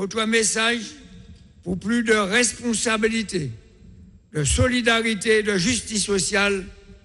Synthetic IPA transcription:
õt̪wamesaʒ | puʁplyd̪əʁɛspɔ̃sabilit̪e | d̪əsɔlid̪aʁit̪ed̪əʒyst̪isːɔsjal

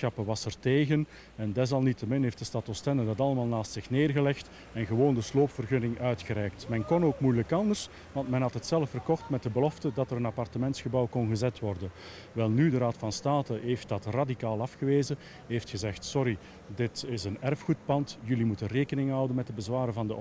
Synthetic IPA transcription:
xɑpəʋɑsərteːɣən | ɛndɛs̬ɑlˠnitəmɪnɦeːftd̥əstɑtɔstɛnədɑtɑlˠəmaːlˠnaːstsɪxneːrɣəlɛxt | ɛnɣəʋoːndəsloːpfərɣɵnɪŋœɥtxəɾɛːk̚tmɛnkɔnoːkmujləkɑndərs | ʋɑntmɛnɦɑtətsɛləfərkɔxtmɛt̚dəbəlɔftədɑtəɾənɑpɑrtəmɛntsxəbɑwkɔnɣəzɛtʋɔrdən | ʋɛlˠnydəɾaːtfɑnstaːtəɦeːft̚dɑtradikaːlˠɑfxəʋeːzə | ɦeftxəzɛxtsɔɾi | dɪtɪsənɛrfxut̚pɑntjɵlimutənreːkənɪŋɦʌwdənmɛt̚dəbəzʋaːɾəvɑndə

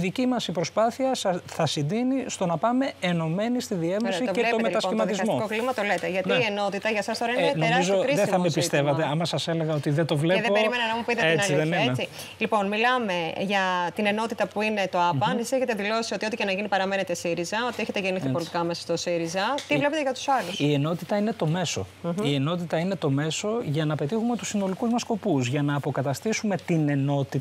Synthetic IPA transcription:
ðicimɐsipɾo̞spɐθiɐsθɐsind̪inist̪onɐpɐme̞ːno̞me̞nist̪iðievosit̪veomet̪ɐsimɐizmokoklimɐt̪o̞let̪eʝɐt̪iie̞no̞t̪it̪ɐʝɐsɐst̪o̞ɾɐinenoeɾɐizooɾisðeθɐmepist̪e̞vɐt̪eɐmɐsɐseleɣɐot̪iðet̪o̞vleðeoeɾiimenɐnɐmupit̪eenɐlðeet͡si | lipo̞nmilɐme̞ʝɐt̪ine̞no̞t̪it̪ɐpuine̞t̪oɐpɐnesiseçet̪eðilo̞sio̞t̪io̞t̪icenɐʝinipɐɾɐme̞net̪esiɾizɐo̞t̪ieçet̪eʝeniθipo̞lit̪ikɐmesɐ̥st̪o̞siɾizɐt̪ivle̞pet̪eʝɐt̪u̥sɐlusie̞no̞t̪it̪ɐine̞t̪o̞me̞so̞̰ie̞no̞t̪it̪ɐine̞t̪o̞me̞so̞ʝɐnɐpe̞t̪ixume̞t̪usino̞likuzmɐsko̞puzʝɐnɐːpo̞kɐt̪ɐst̪isume̞t̪ine̞no̞t̪i

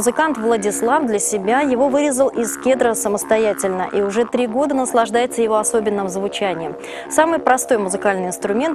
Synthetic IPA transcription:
ʊzɨkant̪vlˠədʲɪslˠafd̪lʲəsʲɪbʲajɪvo̞vɨɾʲɪzəlˠʔɪskʲed̪ɾəsəməst̪ɐjætʲɪlʲnəʔiʊʐɛt̪ɾʲiɡo̞d̪ənəslˠɐʐd̪ajɪt̪səjɪvo̞ɐso̞bʲɪnːəmzvʊt͡ɕænʲɪjəm | samɨjpɾɐst̪o̞jmʊzɨkalʲnɨjɪnst̪ɾʊmʲe̞nt̪

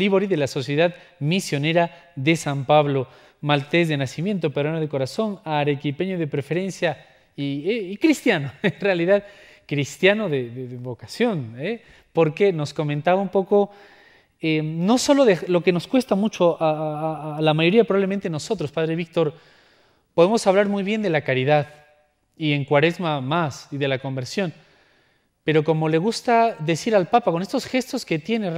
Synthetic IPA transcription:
liβoɾiðelaso̞sjeðaðmisjo̞ne̞ɾa | ðesampaβlo̞ | malt̪e̞zðe̞nasimje̞nt̪o̞peðɾanoð̞e̞koɾaso̞naɾekipenjoðepɾefe̞ɾe̞nsja | ieikɾist̪janoenrealiðað | kɾist̪janoðeðeðeβo̞kasjo̞ne | poɾke̞no̞sko̞mẽnt̪aβaũmpo̞ko̞ | eno̞so̞lo̞ðelo̞ke̞no̞skwe̞st̪amut͡ʃo̞ʔa | lamaʝo̞ɾiapɾoβaβlement̪e̞no̞so̞t̪ɾo̞spaðɾeβik̚t̪o̞ɾ | poðemo̞saβlaɾmujβje̞nd̪e̞lakaɾiðað | ie̞ŋkwaɾe̞zmamasiðe̞lako̞mbe̞ɾsjo̞n | pe̞ɾo̞ko̞mo̞le̞ɣust̪aðe̞siɾalpapako̞ne̞st̪o̞sxe̞st̪o̞sket̪je̞ner

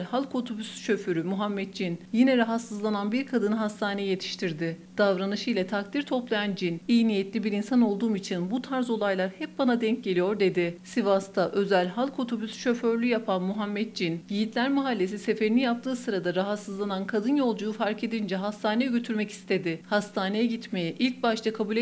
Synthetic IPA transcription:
lʲhalˠkʰo̞t̪ʰubysʃø̞fyɾymuɦamːɛt̪̚d͡ʒinjinɛɾaɦat̪sɯzlˠananbiɾkʰad̪ɯnɯɦast̪ʰaːnejije̞t̪ʰi̥ʃt̪ʰiɾd̪ɪd̪̥avɾanɯʃɯjlʲˠɛt̪ʰakt̪ʰiɾt̪ʰo̞plˠajand͡ʒinijnijet̪lʲibiɾinsano̞lˠd̪uːmit͡ʃʰinbut̪ʰaɾzo̞lˠajlˠaɾhɛp̚banad̪ɛɲc̚ɟe̞lʲijo̞ɾd̪e̞d̪ɪsivast̪ʰaʔø̞zælʲɦalˠkʰo̞t̪ʰo̞bysʃø̞fø̞ɾlʲyjapʰanmuɦamːɛt̪̚d͡ʒinɟijit̪ʰlʲæɾmaɦalʲːe̞s̬ise̞fe̞ɾinijap̚t̪ʰɯːsɯɾad̪aɾaɦat̪sɯzlˠanankʰad̪ɯnjo̞lˠd͡ʒujufaɾke̞d̪ind͡ʒɛɦast̪ʰaːnejɛɟø̞t̪ʰyɾmɛci̥st̪ʰe̞d̪ɪhast̪ʰaːne̞jɛɟit̪me̞jɛʔilʲc̚baʃt̪ʰakʰabuːlʲ

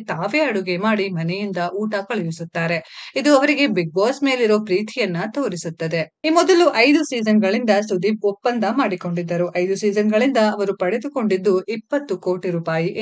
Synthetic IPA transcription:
t̪aːʋeɐɽuɡemaːɽimɐnɛjind̪ɐʔuːʈɐkɐɭɐʋisut̪ːaːɾe̞id̪uɐʋɐɾiɡe̞biɡ̚boːsme̞ːliɾo̞ːpɾiːt̪ʰijɐnːɐt̪o̞ːɾisut̪ːɐd̪e̞iːmɔd̪ɐluʔɐjd̪usiːd͡ʒɐnɡɐɭind̪ɐsud̪iɔpːɐnd̪ɐmaːɽiko̞ɳɖid̪ːɐɾuʔɐjd̪usiːd͡ʒɐnɡɐɭind̪ɐɐʋɐɾupɐɽed̪uko̞ɳɖid̪ːuʔipːɐt̪ːukoːʈiɾuːpaːjiʔ

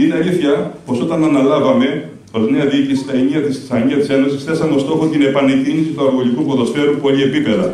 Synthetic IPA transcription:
inɐliθçɐpo̞so̞t̪ɐnɐnɐlɐvɐme̞ | o̞zne̞ɐðiicisi̥t̪ɐeniɐt̪issɐɲiɐt̪ise̞no̞sisθe̞sɐmeo̞st̪o̞xot̪ine̞pɐnecinisit̪uɐɾɣo̞likupoðo̞sfe̞ɾupo̞liepipe̞ðɐ

